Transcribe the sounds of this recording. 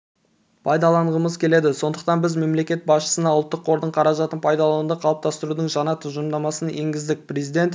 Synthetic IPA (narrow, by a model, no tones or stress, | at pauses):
pʰɑjd̪ɑlˠɑɴʁəməzkʲʰe̞le̞d̪ɪso̞nd̪əqt̪ɑnbɪzme̞mle̞kʲe̞t̪̚bɑsʃə̥sənɑwʊlˠt̪ːəqʰo̞ɾd̪əɴqʰɑɾɑʒɑt̪ənpʰɑjd̪ɑlˠɑnənd̪ɑqʰɑlˠəp̚t̪ʰɑst̪əɾud̪əɴʒɑnɑt̪ʰʊʒəmd̪ɑmɑsəneŋɡʲɪzd̪ɪk̚ʲpʰrezijd̪e̞nt̪